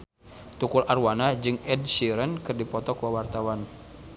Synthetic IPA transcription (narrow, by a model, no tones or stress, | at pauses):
t̪ukularwanad͡ʒɨŋɛdsiɾənkɨrdipɔt̪ɔkuawart̪awan